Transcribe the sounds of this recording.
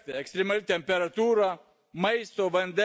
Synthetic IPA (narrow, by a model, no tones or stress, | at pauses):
t̪ʲeɛkst̪ʲɾʲemɐlʲit̪ʲɛmʲpʲɛɾɐt̪uːɾɑ | mɐɪst̪oːʋɐnʲd̪ʲɛ